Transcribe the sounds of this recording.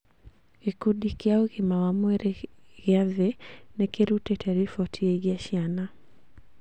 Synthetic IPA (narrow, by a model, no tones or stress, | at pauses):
ɣikudikeauɣimawamwɛɾeɣɪaðenɛkeɾutɛtʰaɾifɔtʰieɣjaʃjana